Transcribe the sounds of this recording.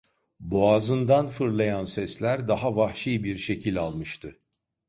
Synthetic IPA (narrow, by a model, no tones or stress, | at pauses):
boazɯnd̪anfɯɾlˠajansɛslʲæɾd̪aɦavahʃiːbiɾʃe̞cʰilʲalˠmɯʃt̪ʰɯ